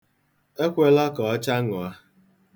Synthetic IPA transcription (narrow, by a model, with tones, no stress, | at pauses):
e˦kʷe˦lɔ˦kɔ˨ɔ˦t͡ʃa˦ŋʊ˨a˦